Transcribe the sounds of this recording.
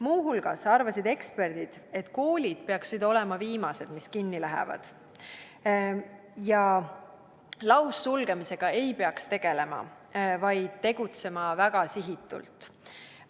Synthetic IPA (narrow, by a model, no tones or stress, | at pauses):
muːɦulɡ̥ɑsɑrvɑsid̪e̞kspe̞rd̪̥id̪̥e̞t̪ːˑko̞ːlʲid̪̥̚peɑksid̪o̞le̞mɑviːmɑse̞d̪̥miskinːilæɦɛ̰vɑ̰d̪̥ | jɑ | lɑwsːulɡ̥e̞mise̞ɡ̥ɑe̞jpe̞ɑkst̪e̞ɡ̥e̞le̞mɑ̰ | vɑjd̪̥̚t̪e̞ɡ̥ut̪se̞mɑvæɡ̥ɑsiɦit̪ːˑṵlt̪ˑ